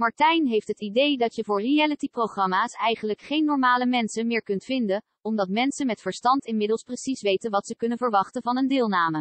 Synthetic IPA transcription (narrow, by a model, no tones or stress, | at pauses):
mɑɹtɛjnɦejftɦətidejdɑtjəvʊːɹriɛlətiproχrɑmaːsɛjχənləkχejnːɔɹmaːləmɛnsənmɪːɹkɵntfɪndən | ɔmdɑtmɛnsənmɛtfəɹstɑntɪnmɪdəlˠsprəsisʋejtənʋɑtsəkɵnənvəɹʋɑχtənvɑnəndɪːlˠnaːmə